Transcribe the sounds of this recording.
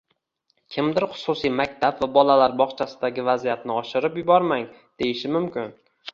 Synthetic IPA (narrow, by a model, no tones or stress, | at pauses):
kʲʰɪmd̪ɪɾχʊ̥sʊsijmakʲt̪ʰabvabɒlalaɾbɒχt͡ʃʰasɪd̪aɡʲɪvazijat̪nɪɒʃɪɾɪpjʊbɒɾmaŋ | d̪̥e̞jɪʃɪmʊmkʲɪn